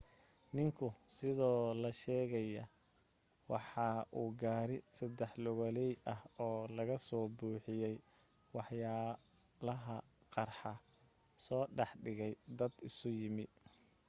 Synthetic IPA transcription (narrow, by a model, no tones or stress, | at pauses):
nɪŋkʰʊsɪðɔːlɐʃɛːɣɐjɐ | wɑ̰ħɑːʔuːɡaːɾɪsɐd̪ɛħlɔɣɔlɛjɐhɔːlɐɣɐsɔːbuːħɪjɛj | wɑħjaː | lɐɦɐ | qɑrħɑ | sɔːɖɑħɖɪɣɛjd̪ɐd̪ɪsʊjɪmɪ